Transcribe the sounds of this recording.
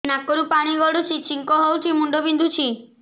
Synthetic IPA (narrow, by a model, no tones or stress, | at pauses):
nakːɔɾũpaɽ̃iɡɔɽot͡ʃʰit͡ʃiŋkɔɦɔwt͡ʃʰimuɳɖobind̪ʱut͡ʃʰi